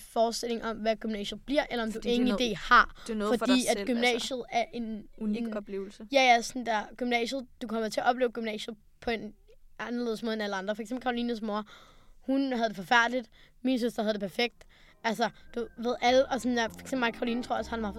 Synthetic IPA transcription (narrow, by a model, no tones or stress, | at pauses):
fɒːsd̥e̝l̰e̝ŋɒ̽mʋæɡ̥ymnɛ̰ːɕð̩ˠb̥liɐ̰ʔelɐɒ̽md̥ue̝ŋn̩id̥e̝̰ːhɑ̈fɒ̽d̥ḭːæd̥ɡ̥ymmnɛ̰ːɕð̩ˠæɐʔe̝n | lejæjæsɒnd̥æɐɡ̥ymnɛ̰ːɕð̩ˠd̥ukʰɒ̽mɐt͡sʰe̝æɐʔɒ̽b̥le̝ːʊɡ̥ymnɛ̰ːɕ̩ˠ | pʰɒ̽e̝n | ʔɑnɐle̝ðˠsmo̝ðˠenæləɑ̈nd̥ʁɐfɒɐɡ̥sembl̩kʰɑʁoliːnəs̬moɐhunhæð̞̩ˠd̥efɒ̽fæɐ̰d̥lid̥minsøsd̥ɐhæðˠd̥epʰæɐfeɡ̥̚d̥ | ʔælsɐd̥uʋe̝ð̞̰ˠæləʔɒ̽sɒnjæfɒ̥ɡ̥sembl̩mɑ̈kʰɑ̈ʁoliːnt͡sʰʁo̝ɐ̰ɒshænʋɑɑ